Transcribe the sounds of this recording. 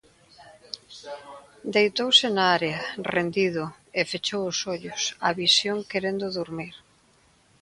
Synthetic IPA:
d̪ejt̪owsɪnaaɾeɐrend̪iðʊ | efet͡ʃowʊsoʎʊsaβisjoŋkeɾend̪ʊðuɾmiɾ

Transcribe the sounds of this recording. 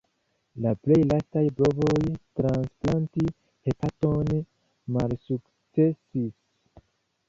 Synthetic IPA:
laple̞jlastajbo̞bo̞jtɾansplanti | hepʰaton | malsuk | t͡se̞sis

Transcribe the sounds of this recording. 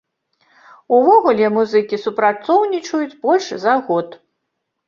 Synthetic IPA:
uvɔɣulʲɛmuzɨkʲisupɾat̪sɔwnʲit͡ʂɐjut͡sʲbɔlʲʂzɐɣɔt̪

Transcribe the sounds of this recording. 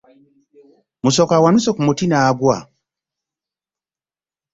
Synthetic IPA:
musɔkawanusɔkumotinaɡwa̰

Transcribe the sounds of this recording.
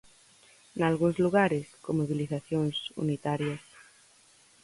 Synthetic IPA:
nalɣunzluɣaɾeskomoβiliθaθjoŋsṵnit̪aɾjas

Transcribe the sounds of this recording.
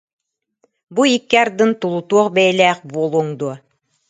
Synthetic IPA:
buikːiaɾd̪ɯnt̪ulˠut̪uɔχbɛjlæːχbuːlˠuːŋd̪uɔ

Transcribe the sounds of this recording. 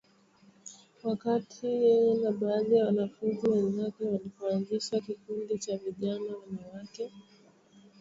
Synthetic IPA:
wakatʰijɛjɛnaɓaːðijawanafunziwɛnzakɛwalipɔanziʃakikundit͡ʃaviʄanawɛnawakɛ

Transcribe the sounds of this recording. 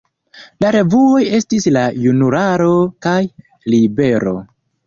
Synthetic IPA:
laɾe̞vuo̞je̞stislajunuɾaɾo̞kaj | libe̞ɾo̞̰

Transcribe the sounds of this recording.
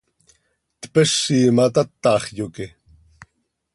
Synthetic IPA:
t̪peʃːiːmat̪at̪ːɑːχjoki

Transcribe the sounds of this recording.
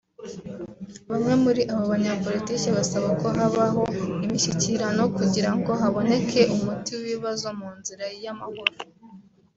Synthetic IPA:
βamŋe̞muɾiʔaβoβaɲapo̞litiːceβasaβako̞ɦaβaɦo̞imiʃiciɾano̞kuɟiɾaŋɡo̞ɦaβo̞ne̞kʰe̞umutiwiβazo̞muːnziɾajamahuɾo

